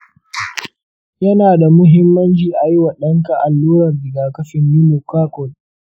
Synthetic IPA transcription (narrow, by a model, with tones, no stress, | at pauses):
jɐ˦naː˨da˨mʊ˦ɦɪ˦mːɐ˦nt͡ʃiː˨ʔa˨ji˦wa˨ɗɐ˦ŋka˨ʔa˨lːuː˦ɾɐ˨rbɪ˨ɡaː˨kɐ˦ɸɪ˨mːiː˦nu˨kʷaː˦kʷɔ˨l